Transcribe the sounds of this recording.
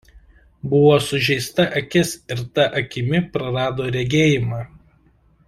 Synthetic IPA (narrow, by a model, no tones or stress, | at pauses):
bʊʋoːsʊʒʲɛɪst̪ɐʔɐkʲɪsɪɾt̪ɐʔɐkʲɪmʲɪpɾɐɾɑːd̪oːɾʲɛɡʲeːjɪmɑː